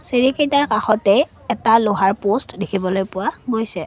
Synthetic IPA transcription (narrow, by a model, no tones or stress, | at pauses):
seɹikejtaɹkaxɔtɛ | ɛtaloɦaɹpostdekʰibɔlojpʊwamojsɛ